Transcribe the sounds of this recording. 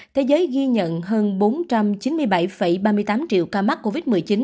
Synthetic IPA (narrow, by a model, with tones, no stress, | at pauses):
t̪ʰe˨˦zəː˨˦jɣi˧ɲə̰˧˨nɦəː˧nɓo˨˦nt͡ɕa˧mt͡ɕi˨˦nmɨ˧əjɓa˧˩jfə˧˩jɓaː˧mɨ˧əjt̪aː˨˦mt͡ɕḭ˧˨əwkaː˧ma˦˥t̚ko˧vi˦˥t̚mɨ˨˩əjt͡ɕi˨˦n